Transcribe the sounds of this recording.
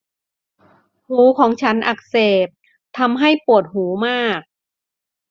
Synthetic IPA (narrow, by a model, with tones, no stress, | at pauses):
huː˩˦kʰɔː˩˦ŋt͡ɕʰa˦˥nʔa˨˩k̚seː˨˩p̚ | t̪ʰa˧mɦa˥˩jpu˨˩ət̪̚huː˩˦maː˥˩k̚